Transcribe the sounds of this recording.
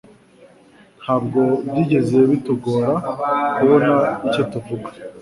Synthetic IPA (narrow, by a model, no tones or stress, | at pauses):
n̥haːbɡo̞bɟiːɟe̞zeeβituɡo̞ːɾakuβo̞naico̞tuvuɡḁ